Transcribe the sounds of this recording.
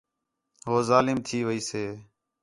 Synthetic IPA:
ɦoːzaːlɪmt̪ʰiːʋəiːseː

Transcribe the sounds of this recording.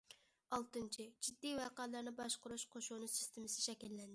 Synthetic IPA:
ɑlˠt̪ɨnt͡ʃʰid͡ʒid̪ːijwɑqæːlˠɑɾnɨbɑʃqʊɾuʃqʰoʃunɨsɪst̪ʰɪmɪsɪ̥ʃɛkʲɛlːɛnd̪ɪ

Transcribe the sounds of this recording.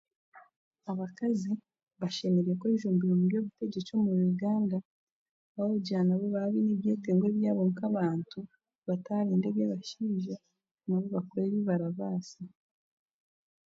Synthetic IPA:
aβakazi | βaʃemeɾekeʒuːmbiɾomubjo̞ːβute̞ɟet͡ʃo̞ːmuɾuɡaːnda | βaouɟaːnaβoβaβineβjeːteːŋɡwe̞ːβjaːβoŋkaβaːntu | βataːɾeːnde̞ɡeβaʃiːʒa | naβoβakoɾeːβiβaɾaβaːsi

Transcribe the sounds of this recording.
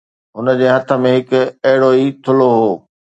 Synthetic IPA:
ɦʊnə̆d͡ʑeːɦɐt̪ʰə̆mẽɦɪkɐɦɪɽoːit̪ʰʊloɦoː

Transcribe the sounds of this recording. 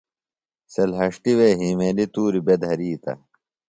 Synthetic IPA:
selɦɐʂʈiweːɦiːmeːlit̪uːɾibed̪ɦɐɾiːt̪ɐ̰

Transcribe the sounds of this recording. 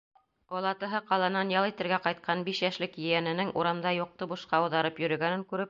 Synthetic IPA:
b̥ɒlˠɑt̪ɤ̆ɦɤqɑlˠɑnɑnjɑlˠit̪ɘ̆ɾɡæqɑjt̪̚qʰɑnbiʃjæʃlɘkjɘ̆jænɘ̆nɘŋʔuɾɑmd̪ɑjuq̚t̪ɤbuʃqɑɤ̆wðɑɾɤpjɵ̆ɾɵ̆ɡænɘŋkʉɾɘp̚

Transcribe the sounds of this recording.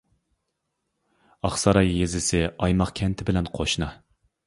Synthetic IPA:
ɑχsɑɾɑjjezɪsɪɑjmɑqkʲʰɛnt̪ʰɪbɪlɛnqʰoʃnɑ

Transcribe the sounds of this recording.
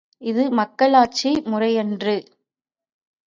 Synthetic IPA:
ɪðɯmɐkːɐɭaːt͡ʃimʊrɐjɛndrɯ

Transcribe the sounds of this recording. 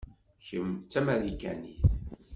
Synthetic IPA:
çəmt͡sːæmæɾikæ̰niθ

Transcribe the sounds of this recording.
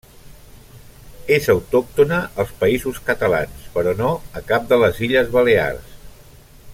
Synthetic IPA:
ezəwt̪ɔk̚t̪unəʔːlˠspəizuskət̪əla̰nspəɾɔnoəkap̚d̪ələziʎəzβəlea̰rs

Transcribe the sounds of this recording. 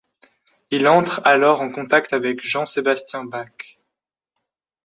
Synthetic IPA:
ilɑ̃t̪χalɔʁɑ̃kɔ̃t̪akt̪avɛkʒɑ̃sebast̪jɛ̃bak

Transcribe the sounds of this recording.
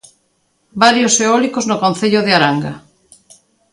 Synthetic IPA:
baɾjoseɔlikoznʊkõn̟θeʎʊðɪaɾaŋɡa

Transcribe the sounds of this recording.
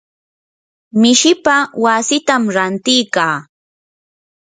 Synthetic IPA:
mɪʃɪpawasɪt̪amɾant̪ɪjkaː

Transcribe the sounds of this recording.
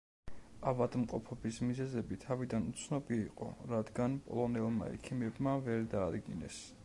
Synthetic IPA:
avad̪mqʼɔpʰɔbismizɛzɛbit̪ʰavid̪anut̪sʰnɔbiːqʼɔ̰ɾad̪ɡanpʼɔ̰lˠɔnɛlˠma̰ɛ̰kʰimɛbmavɛɾd̪aːd̪ɡinɛ̰s

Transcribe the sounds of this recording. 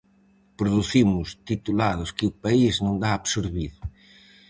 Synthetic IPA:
pɾoðuθimʊst̪it̪ulaðʊskɪʊpaiznõnd̪aːβsoɾβiðʊ

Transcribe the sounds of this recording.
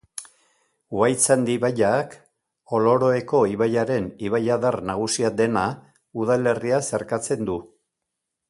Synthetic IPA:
wajt͡sand̪iβaʎak | o̞lo̞ɾo̞eko̞iβaʎaɾe̞niβajaðarnaɣ̞usiad̪e̞na | uðale̞riase̞ɾkat͡se̞nd̪u

